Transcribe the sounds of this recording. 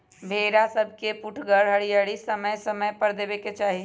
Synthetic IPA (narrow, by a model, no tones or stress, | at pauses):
bʱeːɾasəb̚ʱkepʊʈʰɡəɾɦəɽiaɽisəməjsəməjpəɾd̪eːbeket͡ʃaːɦi